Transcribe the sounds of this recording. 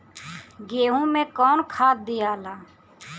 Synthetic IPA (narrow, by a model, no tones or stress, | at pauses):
ɡeːɦũmẽːkɔːnkʰaːt̪̚d̪ijaːlaː